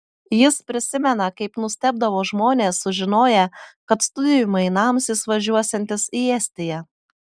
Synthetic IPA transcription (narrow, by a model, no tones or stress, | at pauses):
jɪspʲɾʲɪsʲɪmʲɛnɐkɐɪpnʊsʲt̪ʲɛbd̪ɐʋoːʒmoːnʲeːsːʊʒʲɪnoːjɛkɐt̪st̪ʊd̪ʲɪjʊmɐɪnɑmsɪsʋɐʒʲuɔsʲɛnʲt̪ʲɪsiːɛsʲt̪ʲɪjɛ